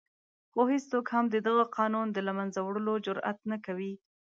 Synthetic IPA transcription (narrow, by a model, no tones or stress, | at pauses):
xohist͡sokhamd̪əd̪aɣaqɑnund̪əlamanzawɽəlod͡ʒʊɾa̰t̪nakawi